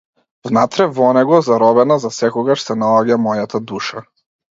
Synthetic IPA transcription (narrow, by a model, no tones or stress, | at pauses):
vnat̪ɾɛvɔnɛɡɔzaɾɔbɛnazasɛkɔɡaʃsɛnalˠaɡamɔjat̪ad̪uʃa